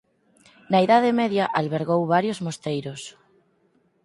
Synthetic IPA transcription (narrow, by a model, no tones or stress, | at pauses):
naiðaðɪmɛðjɐʔalβeɾɣowβaɾjozmost̪ejɾʊs